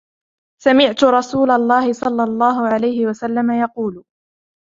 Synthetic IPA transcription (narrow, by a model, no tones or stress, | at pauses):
samɪʕt̪ʊɾˤɑsuːlɑlˤːɑːhɪsˤɑlːɑlˤːɑːɦʊʕalajhɪwasalːamajɑquːl